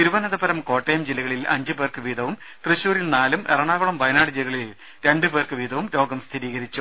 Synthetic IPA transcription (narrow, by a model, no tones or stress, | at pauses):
t̪iɾuʋɐnɐðɐbɐɾɐmko̞ːʈːejɐmd͡ʑilːɐɣɐɭilʔɐ̰ɲd͡ʑɨbeːrkɨʋiːd̪ʱɐʋum | t̪rɨɕuːɾilnaːlumerɐɳaːʋɐɭɐmʋɐjnaːɽɨd͡ʑilɐɣɐɭil | ɾe̞ɳɖɨbeːrkɨʋiːd̪ɐʋumɾo̞ːɡɐmst̪ʰiɾiːɣɐɾit͡ɕːu